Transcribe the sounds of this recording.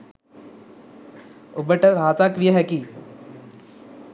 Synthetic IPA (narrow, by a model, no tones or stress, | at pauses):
ʊbəʈəɾɦaːt͡saːkʋiəɦɛkiː